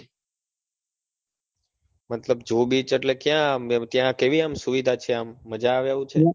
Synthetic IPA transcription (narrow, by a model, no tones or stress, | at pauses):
mət̪ləbd͡ʒobit͡ʃʰeʈlekjãt̪jãkeʋiamsuʋid̪ʱat͡ʃʰeamːəd͡ʒaːʋjaʋũt͡ʃʰe